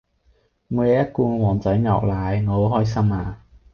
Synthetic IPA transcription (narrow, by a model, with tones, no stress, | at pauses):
muː˨˧˥jɛː˨˧˥jɐ˥t̚kuː˧ŋɔ˨˧wɔː˨˩nt͡sɐ˨˥jŋɐ̰˨˩k̚laː˨˥jŋɔː˧o˨˥wɦɔː˥js̬ɐ˥maː˧